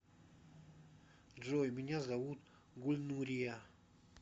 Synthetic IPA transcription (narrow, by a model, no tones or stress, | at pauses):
ʐojmʲɪnʲazavut̪ | ɡulʲnuɾʲija